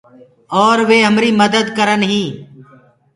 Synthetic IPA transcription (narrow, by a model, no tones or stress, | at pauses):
ɔːɾʋeːɦəmɾiːməd̪əd̪kəɾənɦĩː